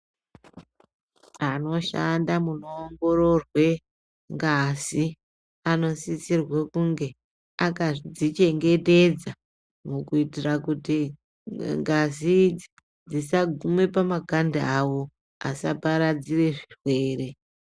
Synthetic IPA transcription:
ano̞ʃandamuno̞ːŋɡo̞ɾo̞rwe̞ | ŋɡasi | ano̞sisirwekuŋɡe̞ | akad͡zit͡ʃe̞ŋɡe̞te̞d͡za | mukuitirakuti | ŋɡazid͡zi | d͡zisaɡʱume̞pamakandaawo̞ | a̰sa̰paɾad͡zire̞ʐirwe̞ːre̞

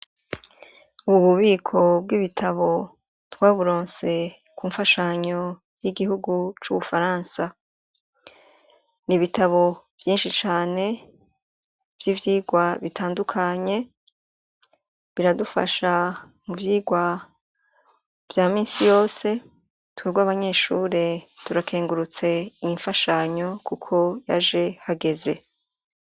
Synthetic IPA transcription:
uuβuβiːkʰo̞b̚ɡiβitʰaβo̞ | twaːβuɾoːnse̞ | kuːɱfaʃaɲo̞ | jiɡihuɡut͡ʃuβufaɾaːnsa | niβitaβo̞ | v̥jiːnʃit͡ʃaːne̞ | v̥jivjiːɡwaβitʰaːndukʰaɲe̞ | βiɾadufa̰ʃa | muvjiːɡwa | v̥jaːmiːnsijo̞ːse̞ | tweɡwaːβaɲe̞ːʃuːɾe̞tuɾakʰeːŋɡuɾut͡se̞iɱfaʃaɲo̞kukʰo̞ja̰ʒe̞haɡe̞ze̞

